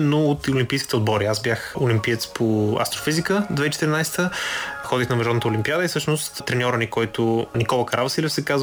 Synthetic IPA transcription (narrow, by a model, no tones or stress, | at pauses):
noːt̪olʲĩmpijskʲit̪ɛod̪̚bɔɾiazbjaxolimpiɛt̪spʰoɐ̰st̪ɾofizikəd̪vɛit͡ʃɛ̥t̪əɾinajst̪əxɔd̪ixnɐmɛʒɔd̪ət̪əʊlʲimpiad̪əisɤʃnost̪t̪ɾɛnʲɔɾənikɔjt̪ʊnikɔlˠəkɐɾʔavɐsilʲɛfsɛkaz